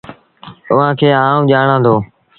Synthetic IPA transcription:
ʊʋãːkʰeːɦaːũːʄaːɳãːd̪oː

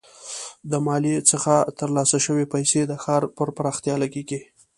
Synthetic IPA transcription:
d̪əmɑlit͡səxat̪əɾlɑsaʃəwepajsed̪əxɑɾpəɾpəɾɑxt̪jɑlaɡeɡi

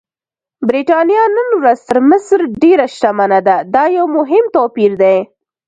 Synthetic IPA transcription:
bɾiʈɑnjɑnənwɾazt̪əɾmɪsɾɖeɾaʃʈ̪amanad̪ad̪ɑjawmʊɦɪmt̪ɑpiɾd̪aj

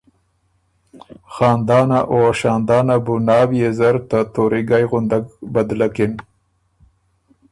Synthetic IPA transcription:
xɑːnd̪ɑːnaʔoaʃɑːnd̪ɑːnabunɑːwjezaɾt̪at̪oɾiɡajɣʊnd̪aɡbad̪lakɪn

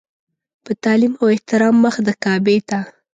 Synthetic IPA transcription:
pət̪ɑlimawɪht̪ɪɾɑmːəxd̪əkɑbet̪a

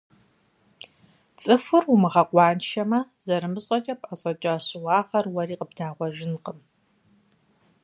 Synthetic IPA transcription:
t͡sʼɨfɨrumɨʁɐqʷɑːnʃɐmɐzɐɾɨmɨɕʼɐt͡ʃʼɐpʼɐɕʼɐt͡ʃʼɐɕɪwɑːʁɐrwɐriːqəb̚daːʁʷɔʒɪnqʼəm

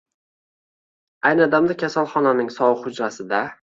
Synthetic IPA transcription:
ajnɨɒd̪amd̪akʲʰasalˠχɒnanɪŋsɒwɨχʊd͡ʒɾasɪd̪a

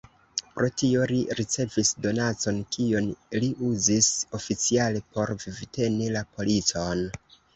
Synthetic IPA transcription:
pɾʔo̞tio̞liɾit͡se̞visdo̞nat͡so̞nkionliʔuziso̞fit͡siale̞pʰo̞ɾvivite̞nilapo̞lit͡son

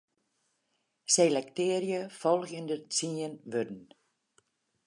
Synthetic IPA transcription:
selɛktɪːəɾjəfɔlˠɣjəndət͡siənʋødn̩

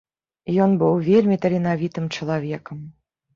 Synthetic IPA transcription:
jɔnbɨwvʲelʲmʲit̪ɐlʲinavʲit̪ɨmt͡ʂɐlˠavʲɛkəm

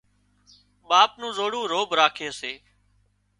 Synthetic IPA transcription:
ɓaːp̚nũːzoːɽũːɾoːbɾaːkʰeːseː

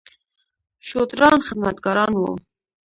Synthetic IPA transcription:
ʃot̪ɾɑnxɪd̪mat̪ɡɑɾɑnwo̰

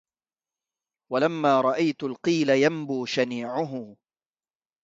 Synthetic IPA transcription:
walamːaːɾˤɑʔajt̪ʊlqiːlajambuːʃaniːʕʊɦʊ

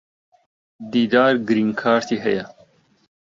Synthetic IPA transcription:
d̪iːd̪ɑːɾɡɾiŋkʰɑːɾt̪ʰiɦɐja

